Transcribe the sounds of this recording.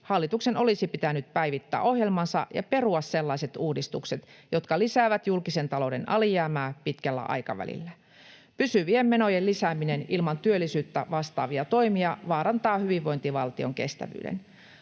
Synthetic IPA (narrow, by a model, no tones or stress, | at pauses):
hɑlːit̪uksenʔo̞lisipit̪ænyt̪̚pæiʋit̪ːæ̰ːo̞hjelmɑnsɑ̰jɑ̰pe̞ruɑsse̞lːɑiset̪uːdist̪ukset̪jo̞t̪kɑlisæːʋæt̪julkisent̪ɑlode̞nʔɑ̰lijæːmæːpit̪kælːæ̰ʔɑ̰jkɑ̰ʋæ̰lḭlːæ | pysyʋiemːe̞nojelisæːminenilmɑnt̪yølːisyːt̪ːæʋɑst̪ɑːʋiɑt̪o̞imiɑʋɑːɾɑnt̪ɑːhyʋiʋʋo̞jnt̪iʋɑlt̪io̞ŋke̞̰st̪æ̰ʋy̰ːdḛn